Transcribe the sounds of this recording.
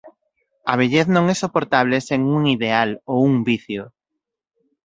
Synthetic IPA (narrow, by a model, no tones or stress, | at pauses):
aβ̞eʎeθnõŋɛsopoɾt̪aβ̞leseŋuŋiðealouŋbiθjo